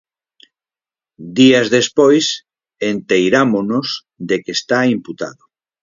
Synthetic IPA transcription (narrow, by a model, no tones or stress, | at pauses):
d̪iazðespojs | ent̪ejɾamonoz | d̪ekest̪aimput̪a̰ðo